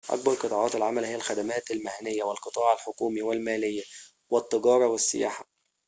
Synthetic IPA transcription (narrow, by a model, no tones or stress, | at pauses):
ʔæ̰k̚bɑɾqɨt̪ˤɑːʕɑːt̪ɪlʕamælhɪjːælxæd̪æmæːt̪ɪlmahænɪjːæwɪlqɨt̪ˤɑːʕalħokuːmiwɪlmæːlɪjːæ | wɪt̪ˤːɨɡɑːɾˤɑwɪsːɪ̰ja̰ːħḁ